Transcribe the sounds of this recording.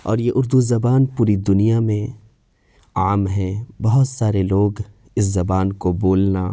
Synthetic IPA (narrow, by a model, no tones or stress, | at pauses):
ɔ̰ːɾjeʔʊɾd̪uzɐbaːnpuːɾid̪ʊnijamẽ | aːmɦɛ̃bɐɦʊt̪saːɾeloːɡ | ɪs̬zɐbaːnkoboːlna